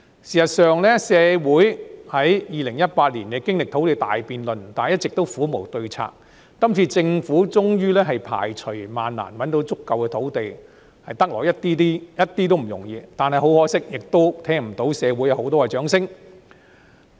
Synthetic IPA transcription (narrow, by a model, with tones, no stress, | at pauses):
siː˨˩sɐ˨t̚sœː˨˧ŋlɛː˥sɛː˨˧wuː˨˥jhɐ˨˥jjiː˨lɪ˨˩ŋjɐ˥t̚paː˧t̚liː˨˩nkɛː˧kɪ˥ŋlɪ˨k̚t̪ʰo˨˥wt̪e˨jt̪a̰ː˨jpiː˨nlɵ˨nt̪aː˨˩jɐ˥t̚t͡sɪ˨k̚t̪o˥wfuː˨˥mo˨˩wt̪ɵ˧ɥt͡sʰa̰ː˧k̚ː | ɐ˥mt͡sʰiː˧t͡sɪ˧ŋfuː˨˥t͡sʊ˥ŋjyː˥lɛː˥ɦɐ˨jpʰa̰ː˨˩jt͡ʃʰɵ˨˩ɥma̰ː˨nla̰ː˨˩nwɐ˨˥nt̪o˨˥wt͡sʊ˥kːɐ˨wkɛː˧t̪ʰo˨˥wt̪e˨j | hɐ˨jt̪ɐ˥k̚lɔ̰ː˨˩jɐ˥t̪̚iː˥t̪iː˥jɐ˥t̚t̪ːiː˥t̪̬o˥wm̩˨˩jʊ˨˩ŋjiː˧t̪aː˨nɦɐ˨jɦo˨˥whɔː˥sɪ˥k̚jɪ˨k̚t̪o˥wt̪ʰɛː˥ŋm̩˨˩t̪o˨˥wsɛː˨˧wu˨˥jɐ˨˧who˨˥wt̪ɔː˥ɛ˧t͡ʃœː˨˥ŋsɪ˥ŋ